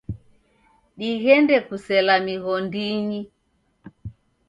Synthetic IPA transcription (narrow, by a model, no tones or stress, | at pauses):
ɗiɣɛndɛkusɛlamiɣɔndiɲi